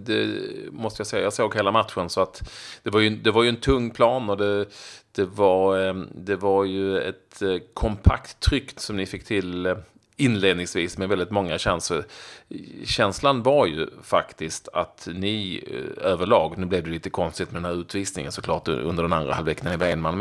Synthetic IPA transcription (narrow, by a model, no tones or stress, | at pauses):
d̪ɛmɔst̪əjasɛjːajɑːsoːɡɦeːlamat̪ɧənsɔat̪d̪̥ɛvaɾjɵd̪ɛvaɾjɵɛnt̪ʰɵŋːpʰlɑːnɔd̪ɛd̪̥ɛvaɾd̪ɛvaɾjɵɛ̰t̪kʰɔmpʰa̰kt̪ʰːɾʏkːsɔmnɪfɪkːt̪ʰɪl | ɪnleːd̪nɪŋsviːsmɛvɛld̪ɪt̪mɔŋːaɕɛnsə | ɕɛnslanvaɾjɵ̰fakt̪ɪst̪at̪nɪ | øːvəɭɑːɡnʉ̟ːblɛvd̪ɛliːt̪əkʰɔnst̪ɪt̪mɛd̪ɛnhæːɾʉ̟ːt̪viːsnɪ̰ŋə̰nsɔkʰlɑːʈɵ̰nd̪əɖɛna̰nd̪ɾa̰halvɛkːənanɪvaenmanm